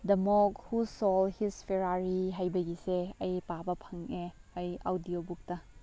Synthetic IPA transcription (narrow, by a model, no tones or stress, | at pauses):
dɐmɔkhusɔlhispʰeɾaɾiɦajbɐɡiseɐjpabɐpʰɐŋeɐjawdiobuk̚tɐ